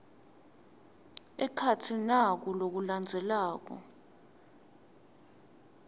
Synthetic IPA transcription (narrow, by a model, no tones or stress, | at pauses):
ɛkʰatʰinak̬ulok̬uland͡zʱɛlaːk̬ɔ̰